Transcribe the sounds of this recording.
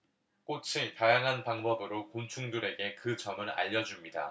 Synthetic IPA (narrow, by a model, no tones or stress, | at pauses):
k͈ot͡ɕʰitajaŋɦanpaŋbʌbɯɾokont͡ɕʰuŋduɾe̞ɡe̞kɯd͡ʑʌmɯɾa̰ʎːʌd͡ʑumɲida̰